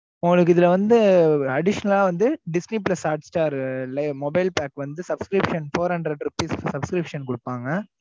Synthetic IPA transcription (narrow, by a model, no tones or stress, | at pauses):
ʊŋɡɐɭɯkːɯɪðɪlɐʋɐnd̪ɯɐɽɪʂɐnɐlaːʋɐnd̪ɯɖɪsniplɐsaːɾʈsʈaːɾlɐɪmɔbɐɪlpaːkʋɐnd̪ɯsɐbskɾɪpʂɐnfoːɾhɐɳɖɾɐɖɾɯpːiːssɐbskɾɪpʂɐnkʊɽɯpːaːŋɡɐ